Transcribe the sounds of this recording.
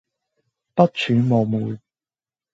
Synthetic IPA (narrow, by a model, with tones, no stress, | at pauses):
pɐ˥t̚t͡ʃʰyː˨˥moː˨wmuː˨˧j